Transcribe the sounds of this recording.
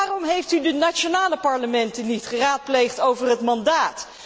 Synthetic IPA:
aːrɔmɦejftydənat͡ʃonaːləpɑɹləmɛntənitχəraːt̚plejχtowvərɦətmɑndaːt

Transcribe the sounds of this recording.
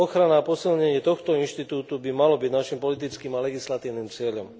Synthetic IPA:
ɔxɾanaːpɔsilɲɛɲɪɛt̪ɔxt̪ɔinʃt̪it̪uːt̪ubimalɔbiɟnaʃimpɔlit̪̬it͡skiːmalɛɡislat̪iːʊniːmt͡sɪɛʎɔm

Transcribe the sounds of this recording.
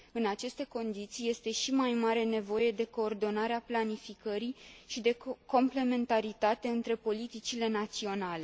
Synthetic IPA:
ɨnat͡ʃe̞st̪e̞ko̞nd̪it̪sije̞st̪e̞ʃimajmaɾe̞ne̞vo̞je̞d̪e̞ko̞ːrd̪o̞naɾeaplanifikəɾiʃid̪e̞ko̞mple̞me̞nt̪aɾit̪at̪e̞ɨnt̪ɾe̞po̞lit̪it͡ʃile̞nat̪sio̞nale̞

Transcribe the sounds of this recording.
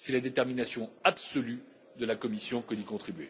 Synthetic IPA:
sɛlad̪et̪ɛʁminasjɔ̃absɔly | d̪əlakɔmisjɔ̃kəd̪ikɔ̃t̪χibɥe

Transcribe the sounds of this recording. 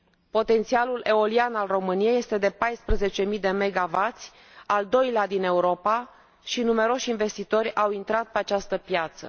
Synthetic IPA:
po̞t̪e̞nt̪sialulʔe̞o̞lianalro̞mɨnijeje̞st̪e̞d̪e̞pajspɾəze̞t͡ʃe̞mijd̪e̞me̞ɡavat̪sʲ | ald̪o̞jlead̪ine̞uɾo̞pa | ʃinume̞ɾo̞ʃʲinve̞st̪it̪o̞rʲawint̪ɾat̪̚peat͡ʃast̪əpjat̪sə̰

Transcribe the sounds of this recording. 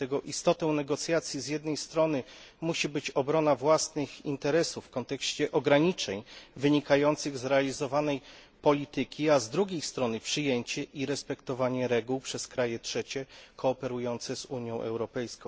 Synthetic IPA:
ɛɡɔʔist̪ɔt̪ɛ̃w̃nɛɡɔt̪sʲjat̪sʲjizʲjɛd̪̚nɛjst̪ɾɔnɘ | muɕibɘt͡ɕɔbɾɔnavwasnɘxḭnt̪ɛɾɛsuffːkɔnt̪ɛkɕt͡ɕɛʔɔɡɾaɲit͡ʂɛɲvɘɲikajɔnt̪sɘɣzɾɛalʲizɔvanɛj | pɔlʲit̪ɘkʲiazd̪ɾuɡʲejst̪ɾɔnɘpʂɘjeɲt͡ɕɛʔiɾɛspɛkt̪ɔvaɲɛɾɛɡuwpʂɛskɾajɛtʂɛt͡ɕɛkɔːpɛɾujɔnt̪sɛzuɲjɔ̃w̃ʔɛ̰wɾɔpɛjskɔ̃w̃

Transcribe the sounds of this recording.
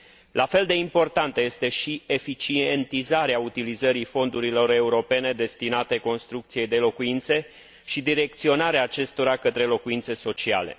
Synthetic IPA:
lʔafe̞ld̪e̞impo̞rt̪ant̪əje̞st̪e̞ʃie̞fit͡ʃie̞nt̪izaɾeaut̪ilizəɾifo̞nd̪uɾilo̞ɾe̞uɾo̞pe̞ne̞d̪e̞st̪inat̪e̞ko̞nst̪ɾukt̪sije̞jd̪e̞lo̞kuint̪se̞ | ʃid̪iɾe̞k̚t̪sio̞naɾeaːt͡ʃe̞st̪o̞ɾakət̪ɾe̞lo̞kuint̪se̞so̞t͡ʃia̰le̞̰

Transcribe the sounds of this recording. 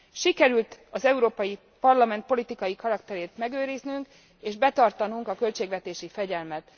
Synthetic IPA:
ʃikɛɾylt̪ɒzɛuɾoːpɒji | pɒrlɒmɛnt̪̚po̞lit̪ikɒjikɒɾɒkt̪ɛɾeːt̪mɛɡøːɾiznyŋk | eːʒbɛt̪ɒrt̪ɒnuŋkɒkø̞lt͡ʃeːɡʋɛt̪eːʃifɛɟɛlmɛt̪

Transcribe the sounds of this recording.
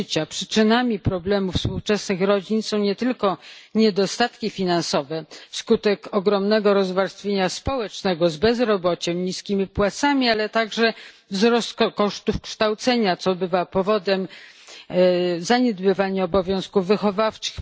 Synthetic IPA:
t͡ɕapʂɘ̥t͡ʂɘnamʲipɾɔblɛmufspuwt͡ʂɛsnɘxɾɔd͡ʑinsɔ̃w̃ɲɛt̪ɘlkɔɲɛd̪ɔst̪at̪kʲifʲinansɔvɛfskut̪ɛkɔɡɾɔmnɛɡɔɾɔzvaɾst̪fʲjeɲaspɔwɛt͡ʂnɛɡɔzbɛzɾɔbɔt͡ɕɛmɲiskʲimʲipwat̪samʲialɛt̪aɡʐɛ | vzɾɔst̪̚kɔkɔʂt̪ufkʂt̪awt̪sɛɲat̪sɔbɘvapɔvɔd̪ɛm | zaɲɛd̪bɘvaɲaɔbɔvʲjɔ̃w̃skuvːɘxɔvaft͡ʂɘ̥x

